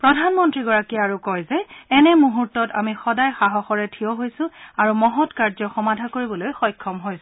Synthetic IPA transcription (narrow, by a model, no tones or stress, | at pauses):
pɹɔdʱanmɔntɹiɡɔɹakiaɹukɔjzɛɛnɛmuɦuɹtːɔtamixɔdajxaɦɔxɔɹɛtʰijɔɦojsʊ̃aɹumɔɦɔtkaɹzɔxɔmadʱakoɹibɔlojxɔjkʰːɔmɦojs